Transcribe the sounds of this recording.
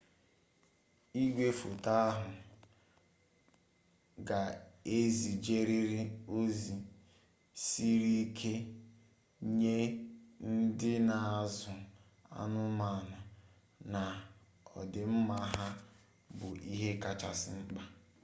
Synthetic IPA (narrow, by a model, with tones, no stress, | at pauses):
i˦ɡʷe˦fo˨ta˦a˦ɦʊ˨ | ɡa˨e˦zi˨d͡ʒe˦ɾi˦ɾi˦o˦zi˨ | si˦ɾi˦kʰe˦ | ɲe˦n̩˦dɪ˦na˨a˨zʊ˨ | a̰˦nʊ˦ma˨nʊ˨ | na˨ | ɔ̰˨dɪ˨m̩˦ma˦ɦa˦ | bʊ˨ʔi˦ɦe˦ka˨t͡ʃa̰˨sɪ˨ŋ͡m̩˦k͡pa˦